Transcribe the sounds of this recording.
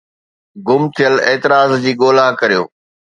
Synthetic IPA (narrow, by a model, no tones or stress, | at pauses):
ɡʊmt̪ʰijəleːt̪ɪɾaːzd͡ʑiːɠoːlakɐɾijo̰ː